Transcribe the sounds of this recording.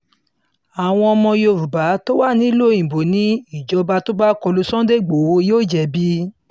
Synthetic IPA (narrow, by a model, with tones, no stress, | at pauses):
a˨w̃ɔ̃˧ɔ˧mɔ̃˧jo˧˨ɾu˨ba˨˦to˦wa˦˨nĩ˨˦i˦lo˦˨ĩ˨bo˨nĩ˨˦i˦˨d͡ʒɔ˧ba˧to˦ba˦kɔ˧lu˧sɔ̃˦de˦˨ɡ͡bo˨wo˧˦joː˦˨d͡ʒɛ˨bi˧˦